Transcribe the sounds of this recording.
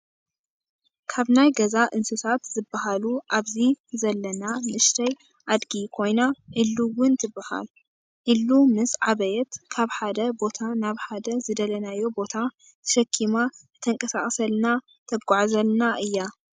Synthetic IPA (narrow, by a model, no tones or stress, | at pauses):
kʰaβnajɡɐzaʔɨnsɨsʰat̪z̥ɨbahaluʔaβzizɐlːɐnamɨʔɨʃt̪ʰɐj | ʔad̪ɡikʰo̞jnaʔɨlːuwʊnt̪ʰɨbːaha̰l | ʔɨlːumɨsʕaβɐjɛt̪kʰaβħad̪ɐbo̞t̪ʰanaβħad̪ɐzɨd̪ɐlɐnajːo̞bo̞t̪ʰa | t̪ʰɐ̥ʃɐkʰːimaɨt̪ʰɐŋkʼɐsaχʼsɐlna | t̪ʰɐbɡʼaʕzɐlnaʔɨjːa